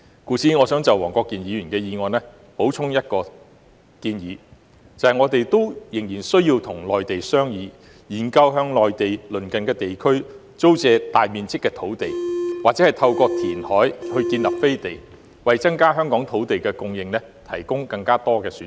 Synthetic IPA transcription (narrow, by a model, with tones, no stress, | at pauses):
kuː˨˥t͡sʰiː˨˧ŋɔː˨˧˥sœː˨˥ŋt͡sɐ˨wɔː˨˩ŋkɔː˧kːiː˨˧njiː˨˧˥ɥyː˨˩nkɛː˧jiː˨˧ŋɔː˨nɛ˥ | po˨˥wt͡sʰʊ˥ŋjɐ˥t̚kɔː˧ | kiː˧njiː˨˧˥ | t͡sɐ˨hɐ˨jŋɔː˨˧t̪e˨jt̪o˥wjɪ˨˩ŋjiː˨˩nsɵ˥ɥjiː˧wt̪ʰʊ˨˩ŋlɔː˨jt̪e˨jsœː˥ŋjiː˨˧ | jiː˨˩nkɐ˧wɦœː˧ŋlɔː˨jt̪e˨jlɵ˨˩nkɐ˨nkɛː˧t̪e˨jkʰɵ˥ɥ | t͡so˥wt͡sɛː˧t̪aː˨jmiː˨nt͡sɪ˥kːɛː˧t̪ʰo˨˥wt̪e˨jwaː˨k̚t͡sɛ˨˥hɐ˨jt̪ʰɐ˧wkɔː˧t̪ʰiː˨˩nhɔː˨˥jhɵ˧ɥkiː˧nlɐ˨p̚fe˥jt̪e˨˩j | wɐ˨jt͡sɐ˥ŋkaː˥ɦœː˥ŋkɔː˨˥ŋt̪ʰo˨˥wt̪e˨jkɛː˧kʊ˧ŋjɪ˨ŋlɛ˥ | t̪ʰɐ˨˩jkʊ˥ŋkɐ˧ŋkaː˥t̪ɔː˥kɛː˧syː˨˦n